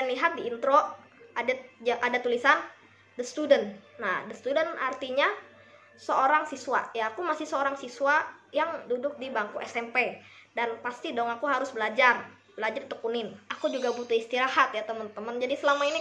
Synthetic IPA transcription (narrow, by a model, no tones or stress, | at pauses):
janliɦat̪̚diːnt̪ɾoadd͡ʒʔadat̪ulisan | dəst̪udənːadəst̪udənart̪iɲa | səʔoɾaŋsiswajaːkumasɪhsəoɾaŋsiswajaŋdudʊk̚dibaŋkuʔɛsɛmpedanpast̪idɔŋakuɦaɾʊsbəlad͡ʒar | bəlad͡ʒart̪əkunɪnakud͡ʒuɡabut̪ʊhist̪iɾahat̪jat̪əmənt̪əmənd͡ʒadisəlamaini